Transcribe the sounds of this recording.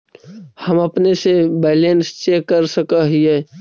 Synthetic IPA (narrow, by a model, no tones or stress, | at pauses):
hɐmɐpnesebɛːlenst͡ʃeːkːəɾsəkaɦiɛː